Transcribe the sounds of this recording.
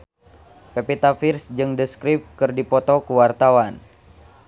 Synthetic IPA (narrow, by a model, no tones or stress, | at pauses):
pepit̪afirsd͡ʒɨŋdəskɾip̚kɨrdipɔt̪ɔkuwart̪awan